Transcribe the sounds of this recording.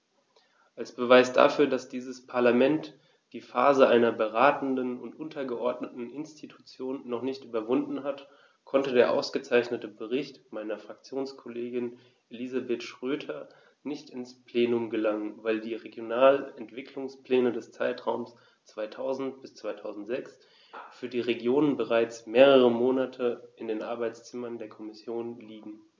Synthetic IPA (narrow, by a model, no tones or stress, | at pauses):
ʔalsb̥əvaɪsd̥a̰fyːɐdasd̥iːzəspʰaɐlamɛnt | d̥iːfaːzəʔaɪnɐbəʁaːtn̩dənʊntʔʊntʰɐɡəʔɔɐdnətn̩ɪnstʰitʰu̥t͡sjoːnːɔχnɪçtʔyːbɐvʊndn̩ɦat | kʰɔntədeːɐʔa̰ʊsɡ̥ət͡saɪçnətəbəʁɪçtmaɪnɐfʁ̥ak̚t͡sjoːnskʰɔleːɡɪn | ʔelizabetʃʁ̥øːtʰɐ | nɪçtɪnspʰl̥eːnʊmɡəlaŋənvaɪldiːʁeɡjonaːlɛntv̥ɪkʰlʊŋspl̥ɛːnədɛst͡saɪtʁ̥aʊms | t͡sv̥aɪtʰaʊzn̩t̚b̥ɪst͡sv̥aɪtʰaʊzn̩tz̥ɛks | fyːɐdiːʁeɡjoːnənbəʁ̞aɪt͡smeːʁəʁəmoːnatʰəʔɪndeːnʔa̰ɐbaɪt͡st͡sɪmɐndeːɐkʰɔmɪsjoːnliːɡŋ̩